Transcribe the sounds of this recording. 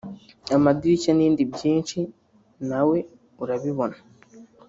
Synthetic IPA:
amadiɾicaniːndibɟiːnʃi | nawe̞ | uɾaβiβona

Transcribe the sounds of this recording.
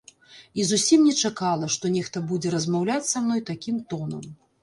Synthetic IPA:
izusʲimnʲɛt͡ʂakalˠɐʂt̪ɔnʲɛxt̪ɐbud͡zʲɛɾɐzmawlʲat͡sʲsamnɔjt̪akʲimt̪ɔnɐ̰m

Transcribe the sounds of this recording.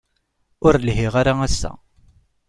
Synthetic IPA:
ʊɾlɦiʁaɾaæsːæ̰

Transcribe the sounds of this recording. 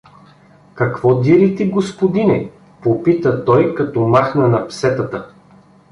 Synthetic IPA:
kɐkvɔd̪iɾit̪iɡospod̪inɛ | popit̪ət̪ɔjkɐt̪ɔmaxnɐnɐpsɛt̪ɐt̪ə

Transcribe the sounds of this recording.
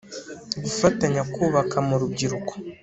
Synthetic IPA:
ɡufataɲakuːβakʰamuɾub̚ɟiɾuko̥

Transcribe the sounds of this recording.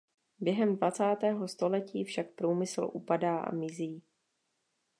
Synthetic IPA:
bjɛɦɛmdvat͡saːt̪ɛːɦo̞st̪o̞lɛciːfʃak̚pɾuːmɪsl̩ʔṵpadaːʔa̰mɪziː

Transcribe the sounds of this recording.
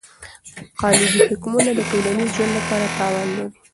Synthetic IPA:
qɑlɪb̪ihɪkmunad̪əʈowlanizʒwand̪lapɑɾat̪ɑwɑnlaɾi

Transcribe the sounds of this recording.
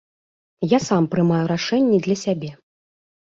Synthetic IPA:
jasampɾɨmajuɾaʂɛnʲːɛd̪lʲɐsʲabʲɛ

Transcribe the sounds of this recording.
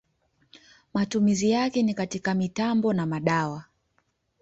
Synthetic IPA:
matumizijakɛnikatikamitambɔnamaɗawa

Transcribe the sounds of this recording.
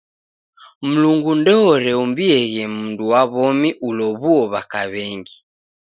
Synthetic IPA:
m̩luŋɡundɛɔɾɛumbiɛɣɛm̩nduwaβɔmiʔulɔβuɔβakaβɛŋɡi

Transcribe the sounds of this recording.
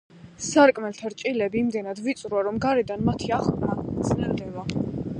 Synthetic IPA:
saɾkʼmɛlt̪ʰaɾt͡ʃʼilɛbiːmd̪ɛnad̪vit̪sʼɾuaɾɔmɡaɾɛd̪anmat̪ʰiaχpʼɾat̪sʼnɛɾd̪ɛva

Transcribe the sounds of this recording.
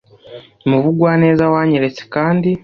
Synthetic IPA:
imuvuɡwaːne̞ːzawaːɲeɾe̞t͡se̥kaːndi

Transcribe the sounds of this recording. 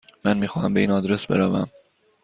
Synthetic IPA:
mænmiːxɒːhæmbe̞iːnɒːd̪ɾesbe̞̰ɾævæm

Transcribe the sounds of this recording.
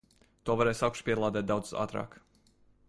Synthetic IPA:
t̪uɔvaɾɛːsawkʃpiɛlˠaːd̪ɛːt̪̚d̪aw̪z̥sa̰ːt̪ɾɑ̰ːk

